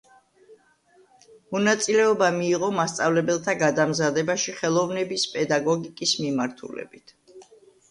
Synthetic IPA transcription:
mɔnat̪sʼilɛɔbamiːʁɔmast̪sʼavlɛbɛlˠt̪ʰaɡad̪amzad̪ɛbaʃiχɛlˠɔvnɛbispʼɛd̪aɡɔɡikʼismimaɾt̪ʰṵlɛ̰bit̪ʰ

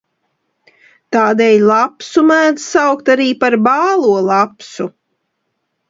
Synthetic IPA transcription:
t̪aːd̪ɛjlˠapsumæːd̪sawkt̪aɾiːpaɾbɑːlˠuɔlˠapsu

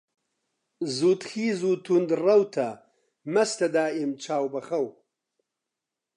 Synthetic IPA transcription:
zuːt̪xiːzuːt̪ʰund̪rɐwt̪ʰɐ | mɐst̪ɐd̪aːimt͡ʃʰaːwbɐxɐw

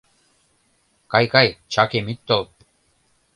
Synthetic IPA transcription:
kajkajt͡ɕakemit̪ʲt̪ːol̚

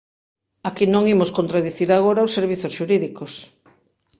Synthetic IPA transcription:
akinõŋimoskont̪ɾaðiθiɾaɣ̞oɾaosːeɾβ̞iθosʃuɾiðikos

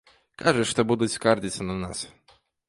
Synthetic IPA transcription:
kaʐɛʂt̪ɔbud̪ut͡sʲskard͡ʑʲit̪sːɐnanas

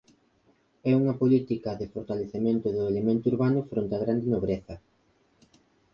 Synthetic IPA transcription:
ɛuŋɐpolit̪ikɐðɪfoɾt̪aleθemẽnt̪ʊðʊelemẽnt̪ʊuɾβanʊfɾont̪ɐɣɾand̪enoβ̞ɾeθɐ

